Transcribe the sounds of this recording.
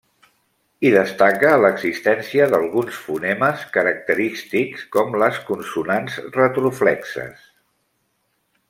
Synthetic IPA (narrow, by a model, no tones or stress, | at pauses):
iðəst̪akələɡzist̪ɛnsiəðəlˠɣunsfunɛməskəɾək̚t̪əɾist̪ikskɔmləskunsunanzrət̪ɾuflɛksə̰s